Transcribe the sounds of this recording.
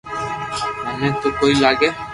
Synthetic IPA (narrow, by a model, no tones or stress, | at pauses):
anet̪okojlaɡe